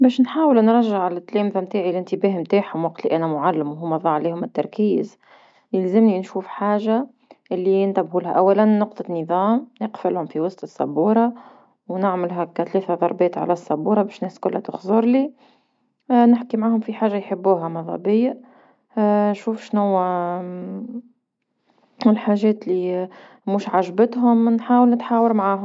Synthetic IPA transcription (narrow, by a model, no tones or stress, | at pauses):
bɛːʃnħaːwəlnɾˤɑʒːaʕalɪt̪ːlɛːmðæmt̪aːʕilɪnt̪ɪbæːɦmt̪aːħhʊmwɑq̚t̪liʔænæmʊʕalːɪmwɦʊmːæðˤɑːʕliːhʊmːæt̪ːɑɾˤkiːz | jɪlzɪmninʃuːfħaːʒa | ʔɪlːiɪnt̪æbhuːlhæʔæwːælænːʊqt̪ˤɑnəðˤɑːmnɪqfɪlhʊmfiwɑst̪ˤɨsˤːɑ̰buːɾˤɑ | wnɪʕmɪlɦækæt̪lɛːθæðˤɑɾˤbɛːt̪ʕa̰læsˤːɑbuːɾˤɑbɛːʃnɛːskʊlːhæt̪ʊxzˤʊɾˤli | nɪħkimʕaːhʊmfiħaːʒːajħəbːuːɦæmɑðˤɑ̰bɪjːa | nʃuːfʃnʊwːæ | ɪlħaːʒɛːt̪lːi | muːʃʕaʒbɪt̪ɦʊmnħaːwəlnɪt̪ħaːwəɾmʕaːɦʊm